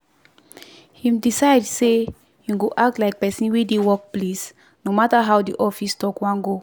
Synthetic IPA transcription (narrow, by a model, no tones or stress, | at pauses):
hĩmdisaɪdse | juɡoʔak̚tlaɪk̚pɛsĩnwedewɔk̚ples | nomataɦawdiʔɔfistɔkwãnɡo